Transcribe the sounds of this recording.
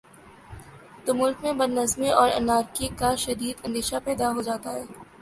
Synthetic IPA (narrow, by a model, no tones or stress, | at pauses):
t̪oːmʊlkmẽbɐdnɐzmeʔɔːɾɐ̰naːɾkikaʃɐd̪iːd̪ɐ̃nd̪eːʃapɛːd̪aɦoːd͡ʒaːt̪aɦɛː